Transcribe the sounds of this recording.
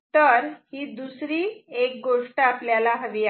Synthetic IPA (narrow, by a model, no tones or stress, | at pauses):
t̪əɾhiːd̪usɾiːek̚ɡoʂʈəapljalaɦəʋia